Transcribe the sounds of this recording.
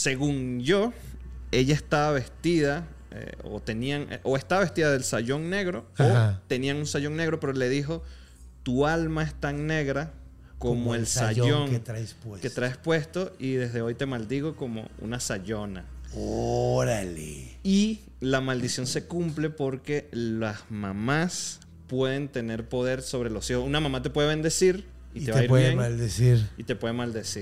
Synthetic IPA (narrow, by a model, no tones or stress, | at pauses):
se̞ɣuŋd͡ʒo̞ | e̞ʝaest̪aβaβe̞st̪iða | ḛo̰t̪e̞niaŋʔoe̞st̪aβaβe̞st̪iðaðe̞lsaʝo̞ŋne̞ɣɾo̞ot̪e̞niaŋunsaʝo̞ŋne̞ɣɾo̞pe̞ɾo̞le̞ðixo̞ | t̪ualmae̞st̪aŋne̞ɣɾa | komoelsao̞ŋet̪ɾasweket̪ɾaespwe̞st̪o̞iðe̞zðe̞o̞jt̪e̞mald̪iɣo̞ko̞mo̰ṵnasaʝo̞na̰oɾalei | lamald̪isjo̞nse̞kumple̞po̞ɾke̞lasmamas | pwe̞ð̞e̞nt̪e̞ne̞ɾpo̞ðe̞ɾso̞βɾe̞lo̞sihosunamãmat̪e̞pwe̞ðeβe̞nd̪e̞siɾ | it̪e̞βaiɾjeŋald̪esiɾit̪epwe̞ðemald̪e̞siɾ